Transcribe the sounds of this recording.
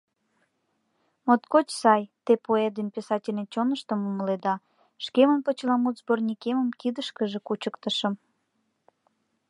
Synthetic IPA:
mot̪kot͡ɕsɑjt̪epoed̪enpesɑtʲelʲnet͡ɕonəʃt̪əmuməled̪ɑ | ʃkemənpot͡ɕlɑmut̪zbornʲikeməmkid̪əʃkəʒekut͡ɕəkt̪əʃəm

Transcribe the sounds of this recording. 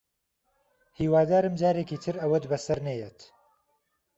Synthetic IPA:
hiːwaːd̪aːɾɨmd͡ʒaːɾeːkiːt̪ʰɨɾɐwɐt̪bɐsɐɾnejet̪

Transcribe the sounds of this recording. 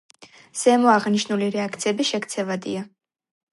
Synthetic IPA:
z̥ɛmɔaʁniʃnuliɾɛak̚ʰt̪sʰiɛbiʃɛkt̪sʰɛvad̪ḭa

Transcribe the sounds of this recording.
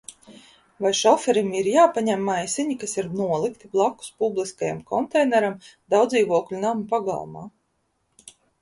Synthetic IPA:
vajʃɔfɛɾimiɾjaːpaɲæmːajsʲiɲikasiɾnuɔlˠikt̪iblˠakːu̥spublˠiskaja̰mkɔnt̪ɛjnɛɾamd̪awd̪ziːvuɔklʲunampaɡa̰lˠma̰ː

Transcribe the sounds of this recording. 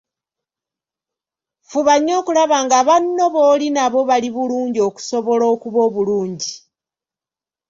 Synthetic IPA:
fuβaɲːo̞ːkulaβaːŋɡaβanːo̞βo̞ːlinaβo̞βaliβuluːɲɟio̞ːku̥so̞βo̞loːkuβo̞ːβuluːɲɟi

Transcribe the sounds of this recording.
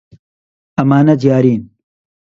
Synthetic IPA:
ɐmaːnɐd͡ʑijaːɾiːn

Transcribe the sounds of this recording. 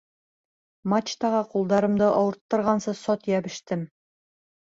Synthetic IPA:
mat͡ɕt̪ɑʁɑqulˠd̪ɑɾɤ̆md̪ɤʔɒwɤ̆ɾt̪ːɤ̆ɾʁɑnsɤsɒt̪jæbɘ̆ʃt̪ɘm

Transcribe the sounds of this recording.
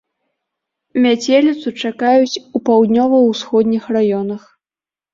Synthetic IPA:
mʲat͡sʲelʲit̪sut͡ʂakajut͡sʲupawd̪nʲɔvɐwsxɔd̪ʲnʲixrajɔnɐx

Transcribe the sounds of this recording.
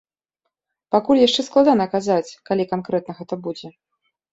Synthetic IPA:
pakulʲjaʂt͡ʂɛsklˠad̪anɐːkazat͡sʲkalʲikankɾɛt̪̚nɐɣɛt̪ɐbud͡zʲɛ

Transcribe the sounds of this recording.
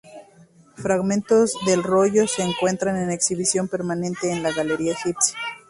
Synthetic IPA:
fɾaɣmẽ̞nt̪o̞zðe̞lro̞ʝo̞se̞ːŋkwe̞nt̪ɾane̞ne̞ksiβisjo̞mpe̞ɾmanẽ̞nt̪e̞ːnlaɣaleɾiaexipsja

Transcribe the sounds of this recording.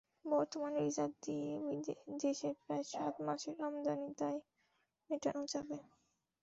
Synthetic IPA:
bɔɾt̪omanɾizad̪d̪ied̪eʃeɾpɾaeʃat̪maʃeɾamd̪anit̪aj | meʈa̰nod͡ʑabe

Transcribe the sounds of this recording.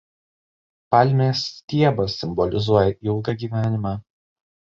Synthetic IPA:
pɑlʲmʲeːst̪ʲiɛbɐsːʲɪmbɔlʲɪzuɔjɛʔiɪlˠɡɐɡʲiːʋʲæːnʲɪmɑː

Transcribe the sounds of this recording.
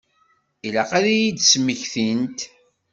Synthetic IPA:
ilæqæðæjid̪smːəçθint̪

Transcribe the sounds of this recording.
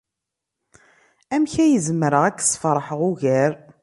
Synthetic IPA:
æmçæjəzməɾəʁækːsˤfɾˤħəʁuʝæɾ

